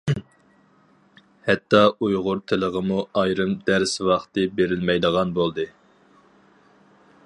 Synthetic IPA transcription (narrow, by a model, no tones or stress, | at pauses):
hɛt̪ʰːɑʔujʁʊɾt̪ʰɪləʁəmuɑjɾɨmd̪æɾswɑχt̪ɨbeɾɪlmɛjd̪əʁɑnbolˠd̪ɨ